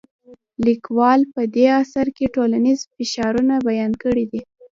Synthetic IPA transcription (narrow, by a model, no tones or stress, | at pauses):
likwɑlpəd̪easaɾkeʈolanizfɪʃɑɾunabajɑnkəɽid̪i